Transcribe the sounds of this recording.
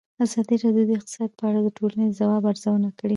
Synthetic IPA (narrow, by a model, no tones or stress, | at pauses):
azɑd̪iɾɑd̪ud̪əɪq̚t̪ɪ̥sɑd̪̚pəaɽad̪əʈʰolaneəzawɑbaɾzawənakəɽi